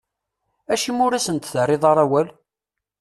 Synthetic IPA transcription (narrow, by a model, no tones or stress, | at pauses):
æʃimʊɾæsənt̪θərɪðˤɑɾˤæwæl